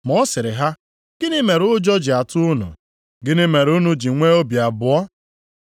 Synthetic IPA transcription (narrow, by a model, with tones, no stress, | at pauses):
mɔ˦sɪ˨ɾɪ˨ɦa˦ | ɡ̥ɪ˦nɪ˦me˨ɾʊ˦d͡ʒɔ˦d͡ʒɪ˨a˨tʊ˦ʊ˦nʊ̰˨ | ɡɪ˦nɪ˦me˨ɾu˦nu˦d͡ʒi˨ŋʷe˦o˦bja˨bʊ˨ɔ˦